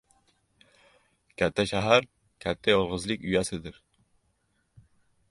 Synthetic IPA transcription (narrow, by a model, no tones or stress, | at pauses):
kʲʰɛt̪ʰːɛʃæɦæɾ | kʲʰɛt̪ʰːɛjolˠʁəzlˠɨkʲyjɛsɪd̪ɪɾ